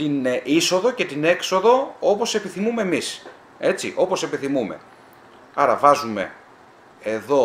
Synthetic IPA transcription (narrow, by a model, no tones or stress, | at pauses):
t̪iniso̞ðo̞ce̞t̪ine̞kso̞ðo̞o̞po̞se̞piθimume̞ːmis | e̞t͡sḭʔo̞po̞se̞piθimumḛ | ɐɾɐvɐzume̞̰ | eðo̞